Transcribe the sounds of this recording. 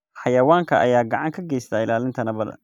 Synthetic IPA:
ħɑjɐwaːŋkʰɐʔɐ̰jaːɡɐʕɑŋkʰɐɡɛjst̪ʰaːɪlaːlɪnt̪ʰɐnɐbɐd̰

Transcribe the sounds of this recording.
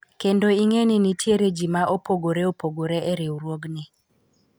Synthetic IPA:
kendoiŋeninitjeɾed͡ʒimaʔopoɡoɾeopoɡoɾeʔɛɾɪwɾwoɡnɪ

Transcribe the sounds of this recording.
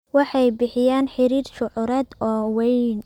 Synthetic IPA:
wɑħɑjbɪħɪjaːnħɪɾiːrʃʊʕʊɾɛːd̪ɔːwɛjn

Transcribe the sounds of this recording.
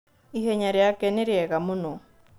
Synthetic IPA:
iɦɛɲaɾeakɛneɾeɛɣamonɔ

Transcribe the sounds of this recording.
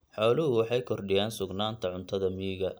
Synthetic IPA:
ħɔːlɪɦʊwɑħɑjkʰɔrɖɪjaːnsʊɡnaːnt̪ʰɐʕʊnt̪ʰɐðɐmiːɣɐ

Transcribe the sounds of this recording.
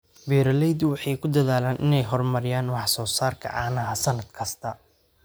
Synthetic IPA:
bɛːɾɐlɛjd̪ʊwɑħɑjkʰʊd̪ɐðaːlaːnʔɪnɛjɦɔrmɐɾɪjaːnwɑħsɔːsaːrkʰɐ̰ʕɑ̰ːnɐɐsɐnɐd̪̥kʰɐst̪ʰɐ

